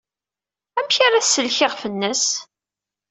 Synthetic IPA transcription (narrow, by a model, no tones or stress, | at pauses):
æmçaɾaθsːəlçɪʁfənːəs